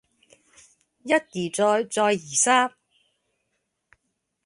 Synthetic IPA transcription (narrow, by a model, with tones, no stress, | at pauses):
jɐ˥t̚jiː˨˩t͡sɔː˧jt͡sɔː˧jːiː˨˩saː˥p̚